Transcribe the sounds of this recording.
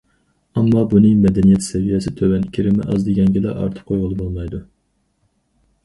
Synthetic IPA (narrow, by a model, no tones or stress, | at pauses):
ɛmːɑbunɨmɛd̪ɛnijɛt̪sɛvijɛsɪt̪ʰøwɛnkʲʰiɾɪmɪ̰ʔɑ̰zd̪ɪɡʲɛŋɡʲɛd̪ɛ̰ʔɑ̰ɾt̪ʰə̥p̚qʰojʁəlˠɨbolˠmɑjd̪u